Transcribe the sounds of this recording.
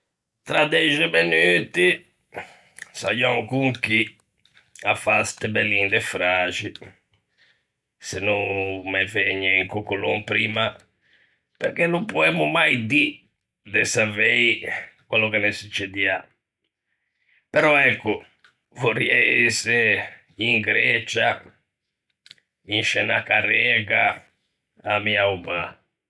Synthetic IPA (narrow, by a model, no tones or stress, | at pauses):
t̪ɾad̪ɛʒɛmɛnyːt̪i | sa̰jɔŋkuŋki | afast̪ɛbɛlːind̪ɛfɾaːt͡ʃi | sɛnːuŋmɛveɲːɛiŋkukːuloŋpɾiːma | pɛɾkenːumpuɛmːumajd̪i | d̪ɛsavɛjkwɛlːokenesut͡ʃːɛd̪ia | pɛɾɔɛkːʊ | voriɛse | iŋɡɾɛt͡ʃa | inʃɛnakarɛɡa | amiauba